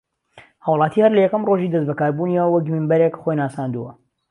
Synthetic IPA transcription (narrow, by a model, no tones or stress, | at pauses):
haːwlˠaːt̪ʰiːhɐɾlɐjɛkɐmroʒiːd̪ɐsbɐkaːɾbuniwɐkmiːnbɐɾeːkχojnaːsaːnd̪uwɐ̰